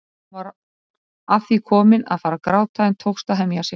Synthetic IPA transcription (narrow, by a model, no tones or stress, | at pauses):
vaɾ | afθikʰɔːmɪna̰ðfaːɾakɾaːwt̪ʰaɪnt̪ʰowkst̪aɦɛmjasjɛ